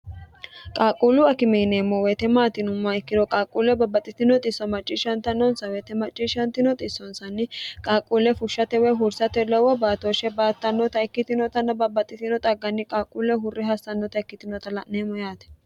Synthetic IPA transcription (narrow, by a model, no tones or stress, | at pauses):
kʼaːkʼuːlʊɐkɪmeːneːmːɔwet̪ɛmaːt̪ɪnʊmːɐɛkːɪd̪ɔkʼaːkʼːuːlɛbɐbɐt̪ʼːɪt̪ɪnɔt̪ʼɪsːɔmɐt͡ʃʼːɪʃɐnt̪ːɐnːɔnsɐweːt̪ɛmɐt͡ʃʼːiʃɐnt̪ɪnɔt̪ʼɪsːɔnsɐnːɪkʼaːkʼːuːlːɛfʊʃːɐt̪ɛwɛɦʊɾsɐt̪ɛlɔwɔbaːt̪oːʃɛbaːt̪ːɐnːɔt̪ɐɛkːɪt̪ɪnɔt̪ɐnːɐbɐbɐt̪ʼːɪt̪ɪnɔt̪ʼɐɡːɐnːɪkʼaːkʼːuːlːɛɦʊrːɪɦɐsːɐnːɔt̪ɐɛkːɪt̪ɪnɔt̪ɐlɐʔneːmɔjaːt̪ɛ̥